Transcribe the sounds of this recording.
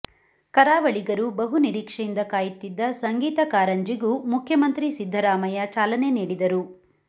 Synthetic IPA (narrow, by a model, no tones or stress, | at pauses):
kɐɾaːʋɐɭiɡɐɾubɐɦuniɾiːkʂɐjind̪ɐkaːjut̪ːid̪ːɐsɐŋɡiːt̪ɐkaːɾɐɲd͡ʒiɡumukʰjɐmɐnt̪ɾisid̪ʱːɐɾaːmɐjɐt͡ʃaːlɐne̞niːɽid̪ɐɾu